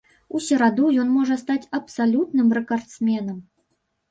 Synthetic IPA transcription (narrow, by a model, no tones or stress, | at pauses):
usʲɛɾad̪ujɔnmɔʐɐst̪at͡sʲɐpsalʲut̪nɨmrɛkart̪smʲɛnɐm